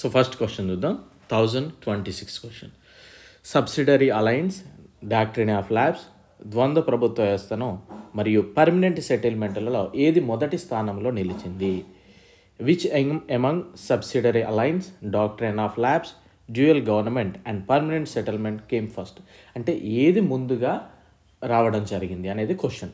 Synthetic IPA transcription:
soːpʰɐɾsʈkʋesʈɐnd̪ud̪aːmt̪ʰɐwzɐɳɖʈʋeɳʈisikskeʂʈɐn | sɐbsiɖɐɾiɐlɐjnsɖaːk̚ʈɾinaːflaːps | d̪ʋɐnd̪ɐpɾɐbut̪ʋɐɛːst̪ɐnɐmɐɾijupɐɾmɐneɳʈseʈɐlme̞ɳʈlɐloːʔeːd̪imɔd̪ɐʈist̪ʰaːnɐmlo̞ːnilit͡ʃind̪i | ʋit͡ʃemɐŋɡsɐbsiɖɐɾiʔɐlɐjnsɖaːk̚ʈɾinaːfʰlaːps | d͡ʒuːelɡɐʋɐɾnɐme̞ɳʈɛɳɖpɐɾmɐne̞ɳʈsɛʈɐlme̞ɳʈke̞ːmpʰɐɾsʈ | ɐɳʈe̞ːʔeːd̪imund̪uɡaː | ɾaːʋɐɽɐmd͡ʒɐɾiɡind̪iɐne̞ːd̪ikoʂɐn

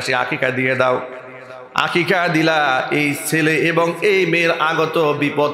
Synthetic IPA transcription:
ʃia̰kikad̪ijed̪ao | a̰kikad̪ilaejt͡sʰeleʔebɔŋejmeɾaɡɔt̪obipɔ

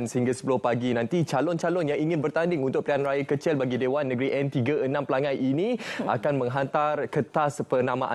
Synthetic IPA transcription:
nsəhĩŋɡasə̥pulʊhpaɡinãnt̪it͡ʃalɔnt͡ʃalɔnjaŋiŋɪ̃nbərt̪andɪŋunt̪ʊk̚plianrajakət͡ʃɪlbaɡidewanːəɡɾiʔɛnt̪iɡaʔənãmpəlaŋajʔinĩʔa̰kanmə̃ŋɦant̪arkət̪aspərnãmã̰ʔa

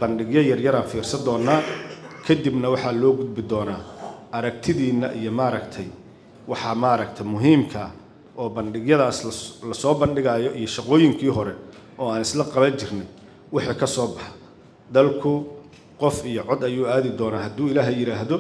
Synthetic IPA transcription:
b̥ɐnɖɪɡjɐjɐrjɐɾaːnfiːrsɐd̪ɔːnːaːkʰɐd̪ibnɐwɑħɑːlɔːɡʊd̪̚bɪd̪ɔːnaːʔɐɾɐk̚t̪ʰɪðiːnːɐʔijɔmaːɾɐkt̪ʰɛj | wɑħɑmaːɾɐk̚t̪ʰɛmʊɦiːmkʰɐ | ʔɔːbɐnɖɪɣjɐðaːslɐsɔːbɐnɖɪɣaːjɔʔijɔʃɑqɔːjɪŋkʰiːɦɔɾɛʔɔːaːnɪslɐqɑβɐt͡ʃʰɪrnɛj | wɑħiːkʰɐsɔːbɑħɑ̥ | d̪ɐlkʰʊ | qɔfijɔʕɔd̪ɐjuːaːðɪd̪ɔːnaːɦɐd̪uːɪlaːɦɛjɪɾaːɦðɔ

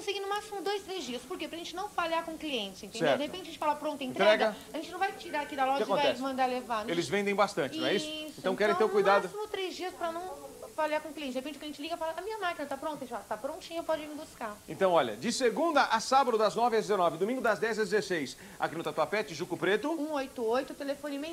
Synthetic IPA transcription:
kõseɡinʊmasimʊd̪ojst̪ɾezd͡ʒiɐspoɾkepɾɐʒẽnt͡ʃɪnɐ̃w̃falaɾkõkliẽnt͡ʃɪsẽnt̪ẽnsɛewɾd̪ehepẽt͡ʃɪɐʒẽt͡ʃɪfalapɾõnt̪ʊẽt̪t̪ɾɛɡɐɐaʒẽnt͡ʃɪnɐ̃w̃vajt͡ʃiɾaɾakid̪ɐlɔkakõvajɛsmɐ̃d̪aɾlevaɾnelɪzvẽnd̪ẽj̃bast̪ɐ̃t͡ʃɪ̃ɛiʊsẽt̪ɐ̃w̃kɛɾẽt̪eʊkujdmad̪ʊsimʊt̪ɾezd͡ʒiɐspɾɐnɐ̃w̃falaɾkõkliẽt͡ʃɪd̪ehepẽt͡ʃɪkɐʒẽt͡ʃɪliɡɐfalaɐmĩɲɐmakinɐt̪apɾõt̪ɐʒẽt͡ʃfalat̪apɾõt͡ʃĩɲɐpɔd͡ʒɪmɪbuskaẽt̪ɐ̃w̃ɔʎɐ̰d͡ʒɪseɡũd̪ɐʔasabɐd̪ʊd̪ɐznɔvɪɐd͡ʒɪzenɔvɪd̪omĩŋɡʊd̪ɐzd̪ɛzɐd͡ʒɪzesejs | a̰kinut̪at̪apet͡ʃɪʒukʊpɾet̪ʊũojt̪ʊojt̪ʊt̪elefõnimẽ

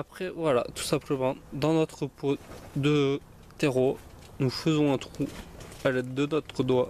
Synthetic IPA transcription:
apχɛvwala̰t̪u̥sɛ̃pləmɑ̃d̪ɑ̃nɔt̪χəpod̪ə | t̪eʁo | nufəzɔ̃ɛ̃t̪χualɛd̪ənɔt̪χəd̪wa

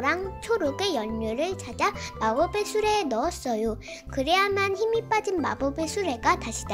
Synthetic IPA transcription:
ɾaŋt͡ɕʰoɾoɡe̞jʌɲːuɾɯɭt͡ɕʰad͡ʑamabobe̞sʰuɾe̞ːnʌʌs͈ʌjo | kɯɾe̞ɦamjançimip͈ad͡ʑinma̰bobesʰuɾe̞ɡataɕʰida

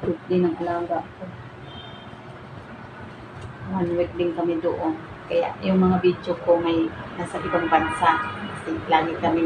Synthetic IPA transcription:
wʊk̚lɪnɐŋkɐlaːɡaʔko | wanwɪk̚lɪŋkɐmɪd̪oʔon | kɐja̰ʔjʊŋmɐŋabid̪jokomɐjnaːsɐʔɪbaŋbɐnsaʔkɐsɪlaːɡɪkɐmɪ

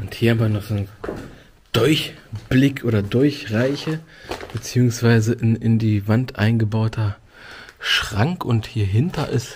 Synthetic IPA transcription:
ʔʊnthiːɐhaːmvɐnɔχz̥oːn | d̥ɔɪçb̥lɪkʰʔoːdɐdʊɐçʁaɪçəb̥ət͡siːʊŋsv̥aɪzəʔɪnɪndiːvantʔa̰ɪnɡəbaʊtʰɐ | ʃʁ̥aŋkʊnthiːɐɦɪntɐʔɪs

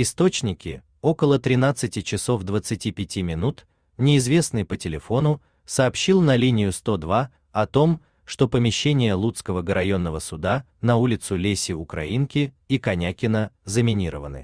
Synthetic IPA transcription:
ɪst̪o̞t͡ɕnʲɪkʲɪ | o̞kəlˠət̪ɾʲɪnat̪sɨtʲɪt͡ɕɪso̞fd̪vət̪sɨtʲipʲɪtʲimʲɪnut̪ | nʲɪːzvʲe̞snɨpətʲɪlʲɪfo̞nʊ | sɐːpɕːilˠnɐlʲinʲɪjʊst̪o̞d̪va | ɐt̪o̞m | ʂt̪o̞pəmʲɪɕːenʲɪjəlˠut̪skəvəɡəɾʔɐjo̞nːəvəsʊd̪a | nɐulʲɪt̪sʊlʲesʲɪʊkɾɐ̰inkʲɪ | ikɐnʲakʲɪnəzəmʲɪnʲiɾə̰vənɨ̰

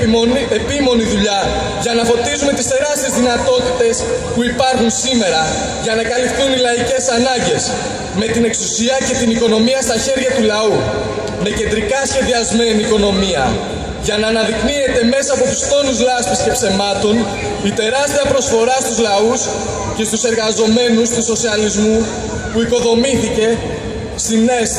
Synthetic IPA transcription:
epimo̞niðuʎɐ | ʝɐnɐfo̞t̪izume̞t̪ist̪e̞ɾɐst̪ie̞zðinɐt̪o̞t̪it̪e̞spuipɐɾxunsime̞ɾɐ | ʝɐnɐkɐlifθunilɐice̞sɐnɐɲɟe̞s | me̞t̪ine̞ksusiɐce̞t̪iniko̞no̞miɐst̪ɐçe̞ɾʝɐt̪ulɐu | me̞ce̞nd̪ɾikɐsçe̞ðiɐzme̞niːko̞no̞miɐ̰ | ʝɐnɐːnɐðiknie̞t̪e̞me̞sɐːpo̞t̪u̥st̪o̞nizlɐspisce̞pse̞mɐt̪o̞n | it̪e̞ɾɐst̪iɐpɾo̞sfo̞ɾɐst̪uzlɐus | ce̞st̪use̞ɾɣɐzo̞me̞nust̪uso̞siɐlizmu | puiko̞ðo̞miθice̞ | st̪ine̞s

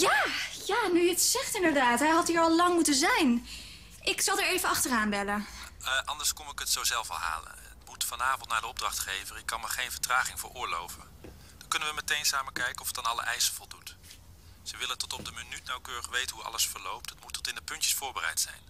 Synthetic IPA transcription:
jaːjaːnyətsɛχtɪndəɹdaːtɦɛjɦɑtɦiːɹɑlˠlɑŋmutənzɛjn | ʔɪksɑlˠdaːɹejvənɑχtəraːnbɛləʔɑndəɹskɔmɪkətsowzɛlˠfɑlˠɦa̰ːlə̰nətmutfɑnaːvɔntnaːdəɔb̚drɑχtχejvərɪkːɑnməχejnvəɹtraːχɪŋvə̰ɹʔʊːɹlo̰wvə̰n | d̥ɑŋkɵnənʋəmətejnsaːməkɛjkəɔfətanɑlˠə̰ʔɛjsəv̥ɔlˠdut | z̥əʋɪlətɔtɔb̚dəmənytnawkøːrəχʋejtənɦuɑ̰ləsfəɹlowp̚tətmutʰːɔtɪndəpɵntjəsfʊːɹbərɛ̰jtsɛ̰jn

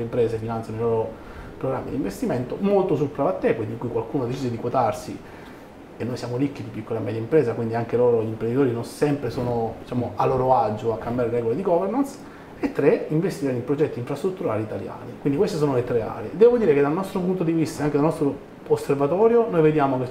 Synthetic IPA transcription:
impɾeːzefinant̪sjanoijloɾo | pɾoɡɾamːid̪ḭɱvest̪iment̪omolt̪os̬ulpɾavat̪ːekwind̪iŋkuːjkwalkuːnod̪et͡ʃiːd̪ed̪ikwot̪arsi | enːojsjaːmoɾikːid̪ipikːolamɛːd̪jaimpɾeːzakwind̪iaŋkeloːɾoʎimpɾend̪it̪oːɾinonsɛmpɾesoːnod̪it͡ʃaːmoʔalːoːɾoad͡ʒoakːambjaːɾeɾɛːɡoled̪iɡɔveɾnans | et̪ːɾeiɱvest̪iɾed̪ipɾod͡ʒɛt̪ːiːɱfɾast̪ɾut̪ːuɾaːliːt̪alja̰ːnikwind̪ikwest̪esoːnolet̪ɾea̰ːɾed̪ɛːvod̪iːɾeked̪alnɔst̪ɾopunt̪od̪ivist̪aeaŋked̪alnɔst̪ɾoː | sːervat̪ɔːɾjonojved̪jaːmoke

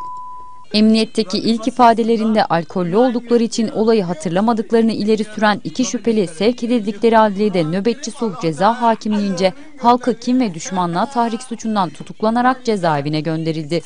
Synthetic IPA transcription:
ɛmnijɛt̪ʰːeciʔilʲcifaːd̪e̞lʲe̞ɾind̪ɛʔalʲkʰo̞lʲːyo̞lˠd̪uklˠaɾɯit͡ʃʰino̞lˠajɯɦat̪ʰɯɾlˠamad̪ɯklˠaɾɯnɯilʲe̞ɾisyɾænicʰiʃypʰe̞lʲisɛvcʰed̪ilʲd̪iclʲe̞ɾialʲlʲed̪ɛnø̞bɛt̪t͡ʃisuhd͡ʒe̞zaːɦaːcʰimlʲiind͡ʒɛ | halˠkʰɯcʰimvɛd̪yʃmanlˠaːt̪ʰahɾicsut͡ʃʰund̪ant̪ʰut̪ʰuklˠanaɾak̚d͡ʒe̞zaːevinɛɟø̞nd̪e̞ɾilʲd̪ɪ

